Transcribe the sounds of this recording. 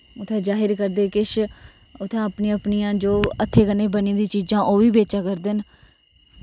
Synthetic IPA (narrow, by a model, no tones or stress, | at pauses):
ʊt̪ʰːẽːd͡ʒaːɦɪɾkəɾd̪eːkɪʃ | ʊt̪ʰːãːəpniəpniːãːd͡ʒoːət̪ʰːeːkəneːbəniːd̪ĩːt͡ʃiːd͡ʒãːʔoːʋiːbeːt͡ʃãːkəɾd̪eːn